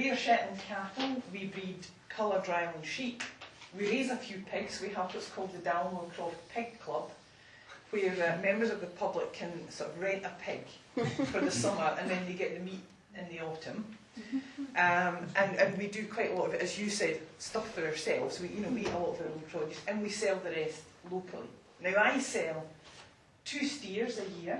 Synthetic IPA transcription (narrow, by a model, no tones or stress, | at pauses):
wiə˞ʃɛʔɪ̃nðəkʰaʔl̩ˠwibɹid | kʰʌlˠə˞dɹaɪə̃nʃiʔwiɹezəfjʉːpʰɪɡz̥swiəvwɔtskʰɔlˠd̪̚ðədãlˠmə̃kʰɹ̥ɔftpʰɪɡ̚kʰl̥ˠʌb̥ | wə˞ʌmɛ̃mbə˞zəvðəpʰʌblˠɪkʰə̃nsɔɹʔəvɹɛ̃nʔəpʰɪɡ̥ | fə˞ðəsʌmə˞ʔə̃nðə̃nðeɡɛʔðəmiʔ | ɪ̃nðiɔʔə̃m | ʔʌ̃mʔə̃nʔə̃nwidəkʰw̥aɪʔəlˠɔʔəvɪʔəzjəsɛd̥stʌffə˞ə˞sɛlˠvz̥wijɨnowiɛʔə̰lˠɔʔəvðə˞õnpʰɹ̥ɔd͡ʒʉsə̃nwisɛlˠðəɹɛst | lˠokʰəl̩ˠḭ | naʊaɪsɛlˠ | tʰʉːstiɹzəjiɹ